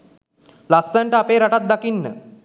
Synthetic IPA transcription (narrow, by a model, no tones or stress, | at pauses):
lasːəɳʈəapeːɾaʈat̪̚d̪akinːə̰